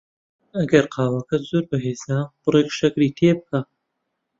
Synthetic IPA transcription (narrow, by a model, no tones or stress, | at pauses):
ɐɡɐɾqʰɑːwɐkɐt̪z̥oɾbɐɦeːzaːb̥ɨrekʃɐkɾiːt̪ʰeb̚kʰaː